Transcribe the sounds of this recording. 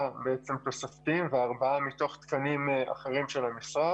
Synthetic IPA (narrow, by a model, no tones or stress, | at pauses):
be̞et͡se̞mt̪o̞saft̪imveaʁbaamit̪o̞χt̪kanima̰χeʁimʃe̞lamisʁa